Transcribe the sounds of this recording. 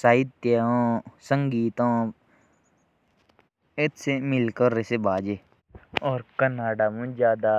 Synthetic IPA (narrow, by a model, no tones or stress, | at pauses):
saːid̪t̪eõːsə̃ŋɡiːt̪õː | et̪semɪlkəɾːesebaːd͡ʒe | ɔːɾkənaːɖaːmũd͡ʒjaːd̪a